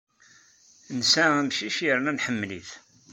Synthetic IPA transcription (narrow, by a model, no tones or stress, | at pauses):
nsææmʃiʃjəɾnænħəmːlḭθ